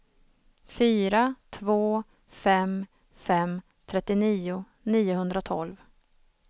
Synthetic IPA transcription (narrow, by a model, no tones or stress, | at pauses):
fyːɾat̪ʰvoː | fɛm | fɛm | t̪ʰɾɛt̪ːɪniːʊ | niːʊhɵnd̪ɾat̪ʰɔlv